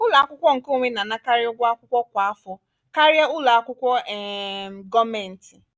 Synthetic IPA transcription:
ʊ˦la˨a˦kʷʊ˦kʷɔ˦ŋ̩˨ko˦˨ŋʷe˦na˨na˦ka˦ɾjɔ˦ɡʷa˦a˦kʷʊ˦kʷɔ˦kʷa˨a˦fɔ˨˦ | ka˦ɾja˦ʊ˦la˨a˦kʷʊ˦kʷɔ˦ɛ˨ɡɔ˦me˨n̩˨ti˨

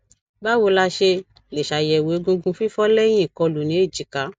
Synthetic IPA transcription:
ba˦wo˧la˧ʃe˧ | le˨ʃa˨jɛ˨wo˨˦ɡũ˧ɡũ˧fi˦fɔ˦lɛ˦j̃ĩ˦i˨kɔ˧lu˨nĩ˨˦e˦˨d͡ʒi˨˦ka˨˦

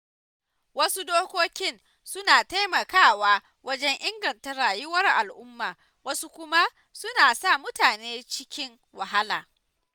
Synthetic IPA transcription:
wɐ˦su˦doː˦kʷoː˦kʲɪ˦n | sʊ˦naː˨ta˦jmɐ˨kaː˦˨waː˦ | wɐ˦d͡ʒɛ˦ŋʔɪ˦ŋɡɐ˨ntɐ˦ɾaː˨jɪ˦wɐ˦rʔa˨lʔʊ˦mːaː˨ | wɐ˦su˦kʷʊ˦ma˦ | sʊ˦naː˨sa˦˨mʊ˦taː˨neː˦t͡ʃɪ˦kʲɪ˦ŋ | wa˨ɦa˦laː˨

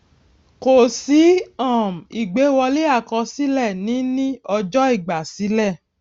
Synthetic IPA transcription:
ko˨si˨˦ɔ̃˦˨m̩˨i˨ɡ͡be˨˦wɔ˧le˦a˦˨kɔ̃˧si˦lɛ˦˨nĩ˨˦nĩ˦ɔ˧d͡ʒɔ˦i˦˨ɡ͡ba˨si˨˦lɛ˦˨

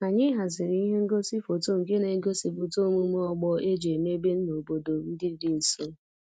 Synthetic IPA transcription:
a˨ɲɪ˦ɦa˨zɪ˨ɾi˦i˦ɦe˦ŋ̩˦ɡo˦si˦fo˨to˦ŋ̩˨ke˦ne˨ŋ̩˦ɡo˦si˨fo˨to˦mu˦m˦ɔ˦ɡ͡bɔ˦ʔe˦d͡ʒe˨me˦be˦n̩˦no˨bo˨do˨n̩˦dɪ˦dɪ˦n̩˨so˦

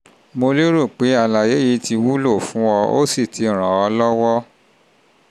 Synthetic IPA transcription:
mo˧le˦ɾu˦˨k͡pe˨˦a˧la˨je˨˦ji˧˦ti˧wu˦lo˦˨fũ˨˦ɔ˧o̰˦si˦˨tʰi˨˦˨ɾ̃ã˨ɔ˧˦lɔ˦wɔ˦

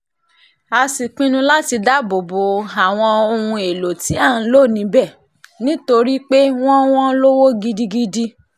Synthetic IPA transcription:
a˧si˨k͡pĩ˦nũ˧la˦ti˧da˨˦bo˨bo˨a˨w̃ɔ̃˧o˧hũ˧e˨lo˨ti˨˦ã˦˨˦lo˦˨nĩ˨˧˦bɛ˦˨ | nĩ˦to˧ɾi˦k͡pe˦w̃ɔ̃˦w̃ɔ̃˦lo˦wo˦ɡi˧di˧ɡi˧di˧

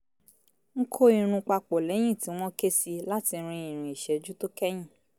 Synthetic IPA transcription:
ŋ̩˦kʰo˦ĩ˨ɾ̃ũ˧k͡pa˧k͡pɔ˨lɛ˨˦j̃ĩ˦˨tĩ˨˦w̃ɔ̃˦ke˦si˧la˦ti˧˦ɾ̃ĩ˧ĩ˨ɾ̃ĩ˨i˨ʃɛ˨d͡ʒu˦to˦kɛ˦j̃ĩ˦˨

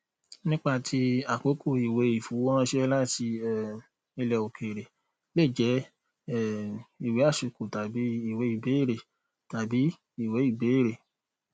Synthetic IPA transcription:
nĩ˦k͡pa˧˨tʰi˦a˨ko˨˦kʰo˦˨i˨we˨˦i˦˨fu˨˦wɔ̃˦˧˦ʃɛ˦la˦ti˧ɛ˦˨ | i˧lɛ˧o˨ke˨ɾe˨ | le˦˨d͡ʒɛ˨˦ | ɛ˦˨i˨we˨˦a˦˨ʃu˨ko˨ta˨bi˨˦i˦˨we˨˦i˦˨be˨˦e˦˨ɾe˨ | ta˨bi˨˦ | i˦˨we˨˦i˦˨be˨˦e˦˨ɾe˨

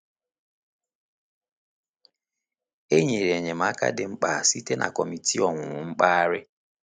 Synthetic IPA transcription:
e˦ɲe˨ɾe˨ɲe˨m̩˨a˦ka̰˦dɪ˨ŋ͡m̩˦k͡pa˨si˦te˦nʔa̰˨kɔ˨mi˨tʰi˦ɔ˨ŋʷʊ˨ŋʊ˨ŋ͡m̩˦k͡pa˦a˦ɾɪ˦

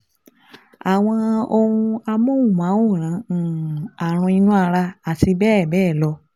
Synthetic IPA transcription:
a˨w̃ɔ̃˧o˧wũ˧a˧mõ˦wũ˦˨mã˨˦wo˦˨ɾ̃ã˨˦˨a˨ɾ̃ũ˧i˧nũ˦a˧ɾa˧a˨ti˧bɛː˦˨bɛː˦˨lɔ˧

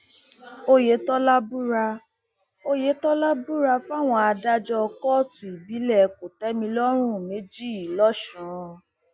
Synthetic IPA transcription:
o˧je˨˦tɔ˦la˦bu˦ɾa˧ | o˧je˨˦tɔ˦la˦bu˦ɾa˧fa˦˨w̃ɔ̃˧a˧da˦d͡ʒɔ˦ɔ˧kɔ˦tũ˨i˨bi˨˦lɛ˦˨ko˨tɛ˦mĩ˧lɔ˦ɾ̃ũ˦˨me˨˦d͡ʒi˦˨lɔ˦ʃũ˨˦˧

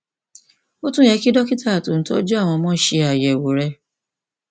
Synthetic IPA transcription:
o˦tũ˦jɛ˧˦ki˦dɔ˦ki˦ta˦˨to˨n̩˦tɔ̰˦d͡ʒu˦a˦˨w̃ɔ̃˧mɔ̃˦ʃe˧a˨jɛ˨wo˨ɾɛ˧˦

